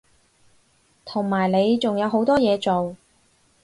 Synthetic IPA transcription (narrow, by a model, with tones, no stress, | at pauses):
t̪ʰʊ˨˩ŋmaː˨˩jne˨˧jt͡sʊ˨ŋjɐ˨˧wɦo˨˧˥wt̪ɔː˥jɛː˨˧t͡so˨w